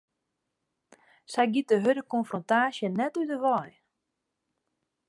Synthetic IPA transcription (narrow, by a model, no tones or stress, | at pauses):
sɛjɡit̚dəɦødəkɔnfrontaːsjənɛtydəʋɔj